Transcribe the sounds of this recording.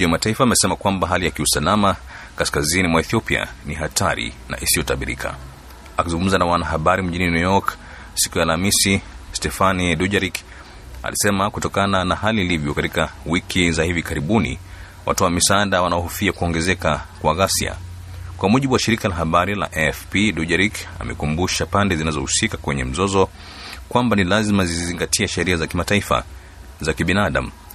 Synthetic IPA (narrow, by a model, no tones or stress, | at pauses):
mɔawamataifaːmɛsɛmakwambaɦalijakiusalama | kaskazinimwaɛθiɔpia̰niɦatʰaɾḭna̰ʔisijɔtaɓiɾḭkʰa̰ | akizuŋɡum̩zanawanaɦaɓaɾim̩ʄininujɔk | si̥kujalamisistɛfaniduʄaɾik | a̰lisɛmakutɔkananahaliːlivjɔkatikawikʰizahivikaɾiɓunḭ | wʔa̰tuwamisandawanaɔhufiakuɔŋɡɛzɛkakwaɣasḭa̰ | kwamuʄiɓuwaʃiɾikalaɦaɓaɾila̰ʔɛfpiduʄaɾika̰mɛ̰kumbuʃapandɛzinazɔhusikakwɛɲɛ̰m̩zɔzɔ | kwambanilazimaziziziŋɡatʰiaʃɛɾiazakimataifa̰ | zakiɓinaaɗa̰m̩